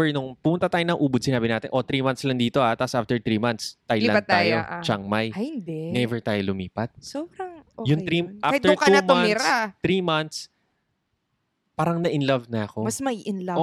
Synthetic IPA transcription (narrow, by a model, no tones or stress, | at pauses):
ɛɹnʊŋpʊmʊnt̪at̪aːjonɐŋʔuːbʊd̪̚sɪnaːbɪnaːt̪ɪ̰nʔo̞t̪ɾiːmɐ̃nt̪slɐŋd̪iːt̪o̞ʔat̪asʔaft̪ɛɹt̪ɾiːmɐnt̪st̪ajllɐnɐt̪aːjoʔt͡ʃaŋmajjhɪnd̪ɛnɛvɛɹt̪aːjolʊmiːpɐt̪̚soːbɾɐŋʔojʊŋɾiʔaaɪt̪ɛɹkɐumʊamnɪɾaɾiːmɐnt̪s | paːɾɐŋnɐʔɪnlɐvnɐɐko̞mɐsmɐiʔɪnlɐo